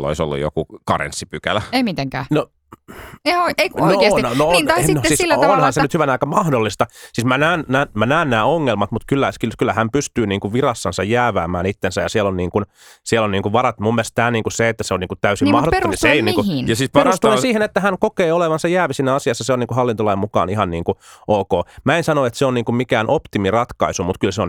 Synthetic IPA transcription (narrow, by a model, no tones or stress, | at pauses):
lːo̰iso̰lːṵjo̰kukɑrḛnsːipykæ̰læeimit̪eŋkæːno | eoieiknoesnnoonɑnosiːslːonhɑnsennyt̪hyʋænɑˑikɑmɑhdolːist̪ɑsiːsmænæːnnæːmænæːnnæːoŋːelmɑt̪mut̪kylːækykylːæhæmpyst̪yːniːŋkuʋʋirɑsːɑnsɑ̰jjæːʋæːmæ̰ːnit̪ːensæjɑsielonniːŋkun | sielonniːŋkuʋʋɑɾɑt̪mumːielst̪æːniːŋkuseet̪ːæseoniːŋkut̪t̪æysimmɑhdottːniseiniːkunjɑsiperust̪uensiːhenet̪ːæhæŋkokeːoleʋɑnsɑjæːʋisiːnːæɑsiɑsːɑseoniːŋkuhɑlːint̪olɑimmukɑ̰ːnihɑnniːŋkuʔoːkoːmæensɑnoet̪seonniːŋkummikæːnʔopt̪imirɑt̪kɑisumut̪kylseon